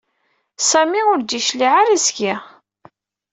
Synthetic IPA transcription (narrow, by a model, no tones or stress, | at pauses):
sæmiʊɾd̪iʃliʕaɾæsɡi